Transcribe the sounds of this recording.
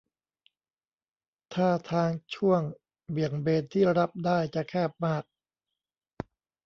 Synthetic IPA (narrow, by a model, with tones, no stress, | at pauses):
t̪ʰaː˥˩t̪ʰaː˧ŋt͡ɕʰu˥˩əŋ | bi˨˩əŋbeː˧n̚t̪ʰːiː˥˩ɾa˦˥p̚daː˥˩jt͡ɕa˨kʰɛː˥˩p̚maː˥˩k̚